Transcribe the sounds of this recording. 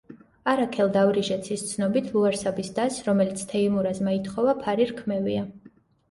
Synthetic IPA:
aɾakʰɛlˠd̪avɾiʒɛt̪sʰist̪sʰnɔbit̪ʰluaɾsabisd̪asɾɔmɛlit̪sʰt̪ʰɛimuɾazmait̪ʰχɔvapʰaɾiɾkʰmɛvḭa

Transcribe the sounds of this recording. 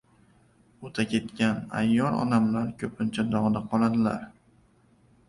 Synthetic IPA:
ot̪ʰakʲʰe̞t̪kʲana̰jːɒɾɒ̰namlaɾkʲʰɵpʰɪnt͡ʃʰad̪ɒʁnaqʰɒlˠad̪ɪla̰ɾ

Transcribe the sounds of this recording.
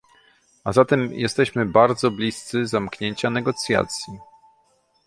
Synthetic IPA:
azat̪ɛmjʔɛ̰st̪ɛɕmɘbaɾd̪zɔblʲist̪sɘzamkɲeɲt͡ɕanɛɡɔt̪sʲja̰t̪sʲji

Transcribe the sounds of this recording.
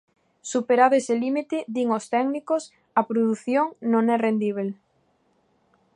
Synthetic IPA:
supeɾaðoeselimit̪ɪðiŋost̪ɛɡnikos | ɐpɾoðuθjoŋnõŋɛrend̪iβel

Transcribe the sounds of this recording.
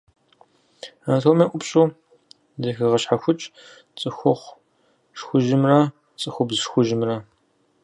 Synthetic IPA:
antʰoːmeːʔʷʊpɕʼuː | zɐxɨʁɐɕħaxʷʊt͡ʃʼ | t͡sʼɨxʷʊχʷ | ʂxʷʊʒɪmrɐ | t͡sʼɨxʷʊbzʃxʷʊʒɪmrɐ

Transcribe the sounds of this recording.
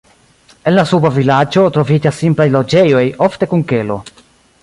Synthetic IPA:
e̞nlasubavilad͡ʒo̞tɾo̞vid͡ʒasːimplajlo̞d͡ʒe̞jo̞jofte̞kunke̞lo̞̰

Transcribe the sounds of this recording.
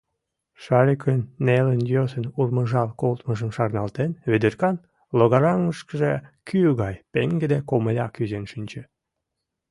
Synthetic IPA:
ʃɑɾʲikʰnːelənjosənurməʒɑlkolt̪məʒəmʃɑrnɑlt̪enβed̪erkɑn | loɣɑɾɑŋːəʃkəʒekʰyɣɑjpeŋɡed̪ekoməlʲɑkyzenʃynʲt͡ɕĕ

